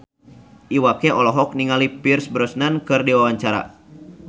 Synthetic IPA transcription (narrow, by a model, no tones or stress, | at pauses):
ʔiwakɛʔɔlɔɦɔk̚niŋalipirsbɾɔsnankɨrdiwawaɲt͡ʃaɾa̰